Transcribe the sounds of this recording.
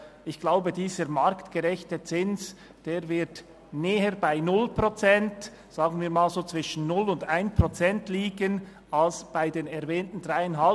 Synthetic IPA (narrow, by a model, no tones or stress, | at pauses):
ɪçɡ̥laʊbədiːzəɾmaɾktɡ̥əʁɛçtət͡sɪns | d̥eːʁvɪɐt | neːəɾbaɪnʊlpʁot͡sɛnt | z̥aːɡən̩viːɐɾmaːlzoːt͡sv̥ɪʃn̩ːʊlʊndaɪnpʁ̥ot͡sɛntliːɡən | alsb̥aɪdeːnɛʁvɛːntn̩d̥ʁaɪanɦal